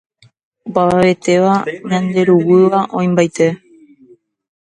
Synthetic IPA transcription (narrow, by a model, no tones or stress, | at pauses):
opaaʋe̞t̪e̞ʋaɲãnd̪e̞ɾuwɨʋaʔõ̞j̃mbajt̪e̞